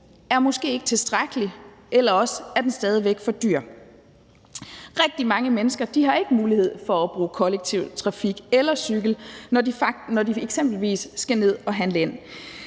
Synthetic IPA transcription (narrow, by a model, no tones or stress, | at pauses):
æɐmɒ̽sɡ̥e̝̰ːeɡ̥ə̥t͡sʰe̝lsd̥ʁaɡ̥əli | ʔelɐɒ̽səæɐd̥ensd̥ɛːð̞ˠiʋeɡ̥fɒ̽d̥yɐ̰ | ʁɛɡ̥̚d̥imɑ̈ŋəmenəsɡ̥ɐd̥iɦɑ̈e̝ɡ̥əmuːlihe̝ð̞̰ˠfɒ̽ːb̥ʁuːkʰɒ̽leɡ̥̚t͡sʰiʊ̰t͡sʰʁɑ̈fiɡ̥elɐsyɡ̥l̩d̥inɒdieɡ̥semb̥l̩ʋḭːsːɡ̥æne̝ð̞̰ˠɒ̽ɦænləen̰